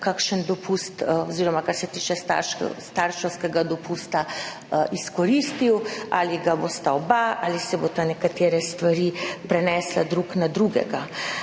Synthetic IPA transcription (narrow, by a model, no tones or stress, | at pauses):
kakʃənd̪ɔpʰust̪oziːɾɔmakaɾsɛt̪iːt͡ʃɛst̪a̰ɾʃɛ̰st̪aɾʃɛwskɛɡad̪ɔpuːst̪a | iskɔɾiːst̪iwa̰liɡabost̪aobaalisɛbot̪anɛkat̪eːɾɛst̪ʋaɾiːpɾɛnɛslad̪ɾuknad̪ɾuɡɛ̰ɡa